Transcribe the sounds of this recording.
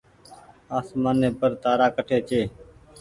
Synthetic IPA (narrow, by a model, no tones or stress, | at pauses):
aːsmaːneːpəɾt̪aːɾaːkəʈʰeːt͡ʃeː